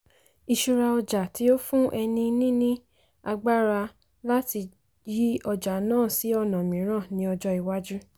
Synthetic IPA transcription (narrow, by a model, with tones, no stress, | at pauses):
i˨ʃu˧ɾa˧ɔ˧d͡ʒa˨ti˨˦o˦fũ˦ʔɛ˧nĩ˧nĩ˦nĩ˦ | a˧ɡ͡ba˦ɾa˧ | la˦ti˧ | ji˦ɔ˧d͡ʒa˨nãː˦˨si˨˦ɔ˧nã˨mĩ˨˦ɾ̃ã˦˨nĩ˨˦ɔ˧d͡ʒɔ˧i˨wa˦d͡ʒu˦